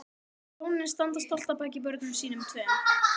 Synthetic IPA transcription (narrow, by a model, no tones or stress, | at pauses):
ownɪnst̪ant̪ast̪ɔl̥t̪apaːjc̬ɪpœɾknʏmsiːnʏmt̪ʰvɛː